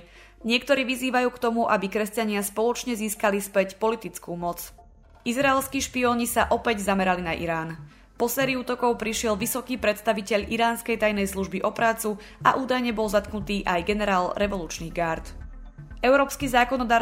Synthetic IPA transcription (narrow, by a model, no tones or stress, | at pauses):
ɲɪɛkt̪ɔɾiːʋiziːʋajuːkt̪ɔmuʔabikɾɛscaɲɪaspɔlɔt͡ʃɲɛziːskalispɛcpɔlit̪it͡skuːmɔt͡s | izɾaɛlskiːʃpiɔːɲisaʔɔpɛɟzamɛɾalinaʔḭɾaːn | pɔsɛːɾiuːt̪ɔkɔʊpɾiʃɪɛlʋisɔkiːpɾɛt̪st̪aʋicɛʎʔiɾaːnskɛjt̪ajnɛjsluʒbiʔɔpɾaːt͡su | ʔa̰ʔuːd̪ajɲɛbɔlzat̪knut̪iːʔajɡɛnɛɾaːlɾʔɛʋɔluːt͡ʃniːɣɡaːɾt̪ | ɛʊɾɔːpskizaːkɔnɔd̪aːɾ